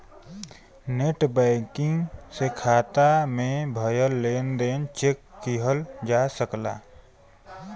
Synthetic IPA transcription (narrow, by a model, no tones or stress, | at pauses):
neʈbɛɪkɪ̃ŋɡsekʰaːt̪amẽbʱəjəlːeːnd̪eːnt͡ʃeːkːiɦəld͡ʒaːsəkla̰ː